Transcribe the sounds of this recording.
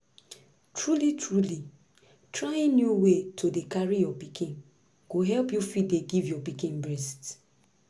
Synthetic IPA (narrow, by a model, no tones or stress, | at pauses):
tʰɹulitʰɹuli | tɹajenjuwetʰodekaɹijɔpikʰĩn | ɡ̥oɦɛlpjufideɡivjɔpikĩnbɹɛst